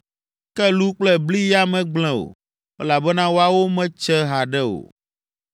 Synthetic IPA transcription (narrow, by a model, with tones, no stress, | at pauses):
kɛ˦lu˦k͡plɛ˦bli˦ja˦mɛ̃˦ɡ͡bl̃ɛ̃˦o̰˨ | ɛ˦la˨bɛ˦nã˦wo˦a˨wo˦mɛ̃˦t͡ʃɛ˦ɦa˨ɖɛ˦o̰˨